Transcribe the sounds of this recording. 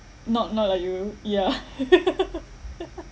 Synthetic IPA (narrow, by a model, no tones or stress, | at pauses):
nɔtnɔt̚laɪkjuja